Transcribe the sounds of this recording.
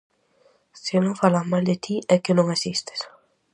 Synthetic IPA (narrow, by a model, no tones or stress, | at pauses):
sɪnõŋfalamald̪ɪt̪ʰiʔɛkɪnõŋasist̪ɪ̥s